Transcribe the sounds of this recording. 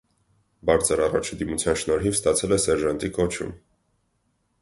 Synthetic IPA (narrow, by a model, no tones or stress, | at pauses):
bɑɾt͡sʰəɾɑrɑ̰t͡ʃʰd̪imut͡sʰjɑnʃnɔɾɦivst̪ɑt͡sʰɛlɛsɛɾʒɑnt̪ikɔt͡ʃʰṵm